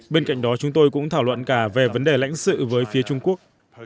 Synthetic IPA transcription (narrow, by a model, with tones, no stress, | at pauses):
ɓe˧nka̰˧˨jŋ̟ɗɔ˨˦t͡ɕʊ˨˦ŋ͡mt̪o˧jkʊ̰˧˥ŋ͡mt̪ʰaː˧˩wlwə̰˧˨nkaː˧˩ve˨˩və˨˦nɗe˨˩la̰˧˥jŋ̟sɨ̰˧˨vəː˨˦jfi˨˦ət͡ɕʊ˧ŋ͡mku˦˥ək̚